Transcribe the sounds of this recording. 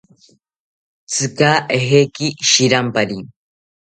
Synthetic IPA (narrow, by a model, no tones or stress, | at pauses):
t͡sɨkaːʔeɦekiʃiɾampaɾi